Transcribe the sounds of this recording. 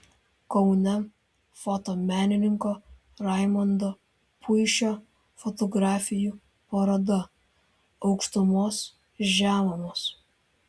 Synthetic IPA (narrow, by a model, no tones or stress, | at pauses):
kɔʊnʲɛ | fɔt̪oːmʲæːnʲɪnʲɪŋkoː | ɾɑɪmɔnd̪oː | pʰʊɪʃʲoː | fɔt̪ɔɡɾɑːfʲɪjuː | pɐɾod̪ɐ | ɒʊkʃt̪ʊmoːs | ʒʲæːʋɐmoːs